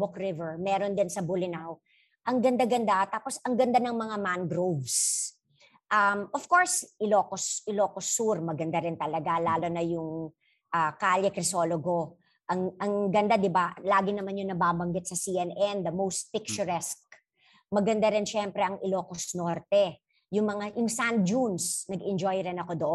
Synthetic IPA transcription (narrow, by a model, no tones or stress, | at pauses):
bʊkɾɪvɛɹmɛːɾond̪ɪnsɐbʊlɪnaw | ʔɐŋɡɐnd̪aɡɐnd̪at̪aːposɐŋɡɐnd̪anɐŋmɐŋamanɡɾovs | ʔɐmʔɔfkoɹsʔɪloːkosʔɪloːkosuɾmɐɡɐnd̪aɾɪnt̪ɐlɐɡalaːlo̞nɐjʊŋ | ʔaːkaːljɛkɾɪso̞ːloɡo̞ | ʔɐŋʔɐŋɡɐnd̪ad̪ɪbalaːɡɪnɐmanjʊŋnɐbaːbɐŋɡɪt̪̚sɐsiʔɛnɛnd̪ɐmowst̪̚pɪk̚t͡ʃʊɹɛsk̚ | mɐɡɐnd̪aɾɪnʃɛmpɾɛʔɐŋɪloːkosnoɾt̪ɛ | jʊŋmɐŋajʊŋsand͡ʒunsnɐɡɪnd͡ʒojɾɪnɐko̞d̪oʔo